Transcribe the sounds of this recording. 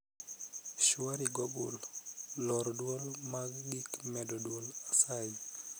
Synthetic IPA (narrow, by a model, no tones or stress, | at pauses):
ʃwaɾiɡobṵlː | ɔɾdwolmaɡɡikmɛdɔdwolasaj